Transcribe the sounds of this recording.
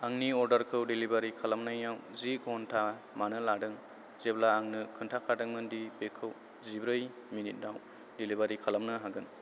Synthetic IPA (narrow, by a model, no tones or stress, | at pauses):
aŋniɔɾdɐɾkʰɯwdilibaɾikʰalamnajnawzikʰɔntʰa | manɯladɯŋ | z̥eblaːŋnɯkʰɯntʰakʰadɯŋmɯndibekʰːɯw | zibɾɯj | minit̚naw | dilibaɾikʰalamnɯɦaɡɯn